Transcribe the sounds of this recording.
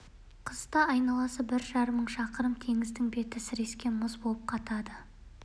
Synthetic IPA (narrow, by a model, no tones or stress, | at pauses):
qʰəzt̪ɑɑjnɑlˠɑsəbɪɾʒɑɾəmːəɴʃɑqəɾəmt̪ʰe̞ŋɪzd̪ɪŋbe̞t̪ɪsɪɾe̞skʲe̞mʊzbo̞lˠəp̚qʰɑt̪ɑd̪ə